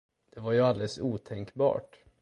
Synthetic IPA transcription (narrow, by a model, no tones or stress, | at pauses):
d̪̥ɛvaɾjɵald̪ɛsuːt̪ʰɛŋkbɑ̰ːʈ